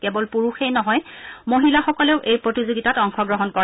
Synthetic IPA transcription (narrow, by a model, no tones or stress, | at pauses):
kɛbɔlpuɹuxejnɔɦɔjmoɦilaxɔkɔleʊʔejpɹotizoɡitatɔŋxɔɡɹɔɦɔnkɔ